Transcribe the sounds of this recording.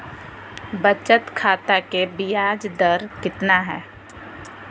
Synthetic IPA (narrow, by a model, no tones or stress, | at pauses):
bət͡ʃət̪kʰaːt̪akebijaːd͡ʒd̪əɾkɪt̪naɦɛː